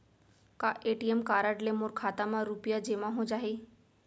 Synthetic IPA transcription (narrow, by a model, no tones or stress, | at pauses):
kaʔeʈiemkaɾaʈlemoɾkʰat̪amãɾupjad͡ʑemãɦõd͡ʒaɦe